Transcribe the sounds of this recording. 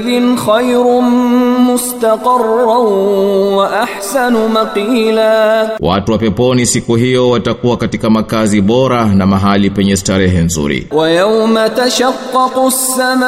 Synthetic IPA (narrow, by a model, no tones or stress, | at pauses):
ðɪnxajɾʊmʊst̪ɑqɪrːa | waʔaħsanʊmɑqiːlaːwa̰tuwapɛpɔnisikuɦijɔwatakuwakatikamakaziɓɔɾanamaɦalipɛɲɛstaɾɛɦɛn̩zṵɾḭwajawmat̪aʃaqːɑqʊsːama